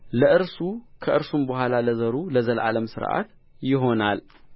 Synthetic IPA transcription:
ləʔɨɾsukʰəʔɨɾsumbəhʷalaləzəɾuləzəlʔa̰ləmsɨ̰ɾʔa̰t̪ | jɪɦo̞nal

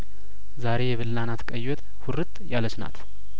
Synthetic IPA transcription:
zaɾe̞jɛβɨlːanat̪kʼəjɔt̪ʼ | hʊɾɨt̪ʼjalət͡ʃna̰t̪

